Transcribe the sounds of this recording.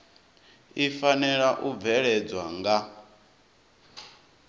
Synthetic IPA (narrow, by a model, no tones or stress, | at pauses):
ifanɛɺaʔub̪vɛɺɛd͡zwaŋɡa